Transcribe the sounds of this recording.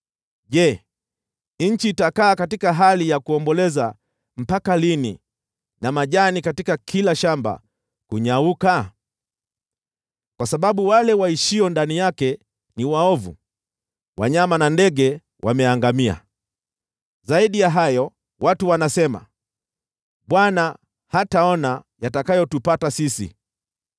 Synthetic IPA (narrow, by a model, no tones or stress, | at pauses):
ʄɛ | nɲ̩t͡ʃiːtakaːkatikaɦalijakuɔmbɔlɛza | m̩pakalinḭ | namaʄanikatikakʰilaʃamba̰ | kuɲauka | kwasaɓaɓuwalɛwaiʃiɔndanijakɛ | niwaɔvṵ | wa̰ɲamanandɛɠɛ | wʔamɛaŋɡamia̰ | zaiɗijaɦajɔ | watuwanasɛma̰ | ɓwana | hataɔna | jatakajɔtupatasisḭ